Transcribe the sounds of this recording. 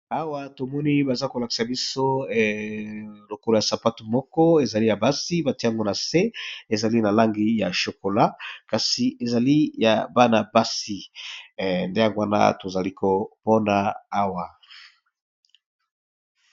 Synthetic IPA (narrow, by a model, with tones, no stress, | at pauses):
a˦wa˦to˨mɔ˦ni˦ba˨za˦ko˨la˨ki̥˨sa˨bi˦so˦˨ | lo˨ko˨lo˨ja˨sa˨pa˦tu˨mɔ˦kɔ˦e˨za˨li˦ja˨ba˦si˦ba˨ti˦a˦ŋɡo˦na˨se˦e˨za˨li˦na˨la˦ŋɡi˦ja˨ʃo˨ko˨la˦ka˨si˨ʔe˨za˨li˦ja˨ba˦na˨ba˦si˨ | nde˦ja˨ɡwa˦na̰˦to˨za˨li˦ko˨pɔ˦naː˨˦wa˨